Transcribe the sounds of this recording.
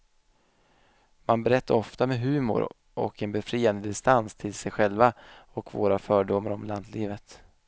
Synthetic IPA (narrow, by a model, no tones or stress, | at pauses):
manbɛɾɛt̪ʰːaɾɔft̪amɛɦʉ̟ːmʊ̰ɾ | ʔɔ̰kɛnbɛfɾiːand̪əd̪ɪst̪anst̪ʰɪlsɛjɧɛlvaɔkvo̰ːɾafœːɖʊmːaɾɔmland̪liːvət̪